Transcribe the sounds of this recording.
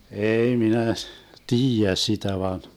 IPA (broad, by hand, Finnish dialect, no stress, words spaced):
eːi minæ tiːjæ sitæ ʋɑn